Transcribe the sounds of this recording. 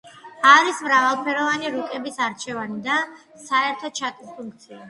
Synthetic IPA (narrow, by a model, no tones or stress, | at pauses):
aɾismɾavalˠpʰɛɾɔvaniɾukʼɛbisaɾt͡ʃʰɛvanid̪a | saɛɾt̪ʰɔt͡ʃʰat̪ʼispʰuŋk̚t̪sʰia